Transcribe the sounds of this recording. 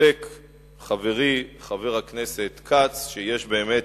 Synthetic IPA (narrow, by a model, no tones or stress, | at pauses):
ek | χave̞ʁiχave̞ʁhakne̞se̞t̪kʰat͡sʃeje̞ʃbe̞ːme